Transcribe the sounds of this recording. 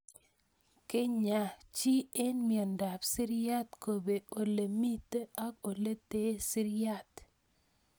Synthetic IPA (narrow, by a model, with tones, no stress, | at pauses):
kɪ˦ɲa˨t͡ʃi˦e˦nmiɔ˨nda˨psi˦ɾja˦t̪ko˨be˨ʔo˨le˨mi˦t̪a˦ko˨le˦te˦si˦ɾja˦˨t̪